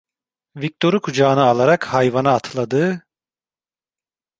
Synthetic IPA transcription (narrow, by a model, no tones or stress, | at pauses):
vik̚t̪ʰo̞ɾukʰud͡ʒaːnɯalˠaɾakhajvanaːt̪ʰlˠad̪ɯː